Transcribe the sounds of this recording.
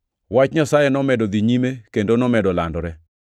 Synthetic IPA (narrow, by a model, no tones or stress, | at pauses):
wat͡ʃɲasajenɔmɛdɔd̪iɲimekendonɔmɛdɔla̰ndɔɾɛ